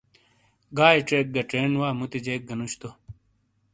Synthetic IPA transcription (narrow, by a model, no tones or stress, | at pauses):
ɡaːiʈeːk̚ɡɐʈeːnwaːmut̪id͡ʑeːk̚ɡɐnuɕt̪o